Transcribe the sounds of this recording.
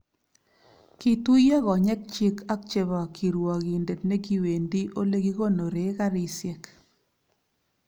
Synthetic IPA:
ki˦tu˦jɛ˦ɣɔ˨ɲɛ˦k̚t͡ʃi˦kʰa˦k̚t͡ʃe˨βɔ˨kʰi˨ɾwɔ˨ɣi˨nde˨tne˦ki˦we˨ndi˦ʔo˦le˦ki˦ɣo˦no˨ɾe˨˦ɣa˦ɾɪ˨sjɛ˦k

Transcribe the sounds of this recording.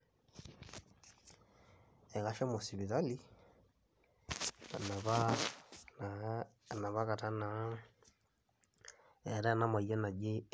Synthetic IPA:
ɛ˨ɣa˨ʃɔ˦mo˨si˨βi˨ða˦li˦ | a˨na˨βa˦n˨ | na˨βa˦ka˨ta˦na˨˦ | ɛ˨ɾa˦na˦ma˨ja˦na˨d͡ʒi˦

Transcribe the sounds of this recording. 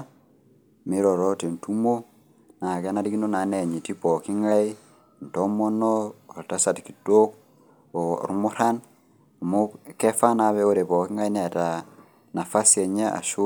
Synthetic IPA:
mi˦ɾɔ˨ɾo˦te˨n˨tu˦mo˦ | na˨ke˦na˦ɾi˦ki˦no˦na˨ne˨ɲi˨ti˦pɔ˨ki˦ŋa˦i˦ | n̩˨tɔ˦mo˦nɔː˦˨ɾta˦sa˨tki̥˨to˦k̚ | o̰˨ɾu˦mu˦ɾa˦n | a˨mo˦kɛ˦fa˦na˨βɛ˦o˦ɾe˨pɔ˨ki˦ŋa˦i˦ne˨ta˨ | na˨fa˦sie˨ɲe˦ʔa̰˨ʃu˦

